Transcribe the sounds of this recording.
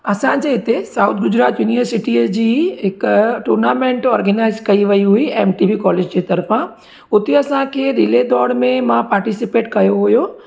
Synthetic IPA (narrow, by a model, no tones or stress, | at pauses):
ɐsãd͡ʑeɪt̪esaut̪̚ʰɡʊd͡ʑɾaːt̪jʊnijəɾsɪʈid͡ʑiːɦɪkʈuːɾnaːmẽːɳʈɔːɾɡənaːɪzkɐiʋɐiɦʊiɛːmʈiːʋikɔːleːd͡ʑd͡ʑeːt̪ɐɾfã | ʊt̪eɐsãkʰeɾiled̪ɔːɽmẽmãpaːɾʈisɪpeːʈkɐjoɦʊjo